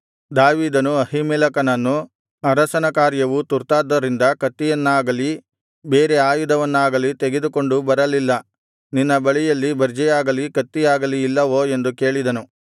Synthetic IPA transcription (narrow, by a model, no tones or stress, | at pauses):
d̪aːʋiːd̪ɐnuɐɦimɛːlɐkɐnɐnːu | ɐɾɐsɐnɐkaːɾjɐʋut̪uɾt̪aːd̪ːɐɾind̪ɐkɐt̪ːijɐnːaːɡɐli | be̞ːɾeaːjud̪ʱɐʋɐnːaːɡɐlit̪e̞ɡed̪uko̞ɳɖubɐɾɐlilːɐ | ninːɐbɐɭijɐlːibɐɾd͡ʒɛjaːɡɐlikɐt̪ːijaːɡɐliːlːɐʋoːe̞nd̪uke̞ːɭid̪ɐnu